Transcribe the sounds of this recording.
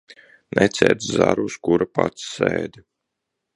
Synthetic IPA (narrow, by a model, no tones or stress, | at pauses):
nɛt̪sʲɛːɾt̪szaɾuskuɾapat̪sːɛːd̪